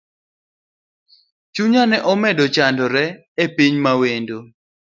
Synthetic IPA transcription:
t͡ʃuɲanɛʔɔmɛdɔt͡ʃandɔɾɛ | epiɲmawendo

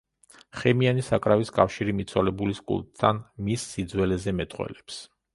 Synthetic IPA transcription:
χɛmianisakʼɾaviskʼafʃiɾimit̪sʰwɔlɛbuliskʼṵlˠt̪ʼʰːanmisːid̪zwɛlɛzɛmɛt̪ʼqʼwɛ̰lɛps

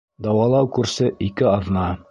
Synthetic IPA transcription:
d̪ɑwɑlˠɑwkʉɾsɘʔikɘɑðnɑ

